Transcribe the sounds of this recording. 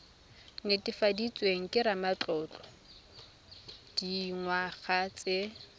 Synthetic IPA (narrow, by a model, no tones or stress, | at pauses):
ŋɪtʼɪfadit͡sʼweŋ̩kʼɪɾamat͡ɬɔːt͡ɬʼɔ̥ | d̥iŋwaχat͡sʼe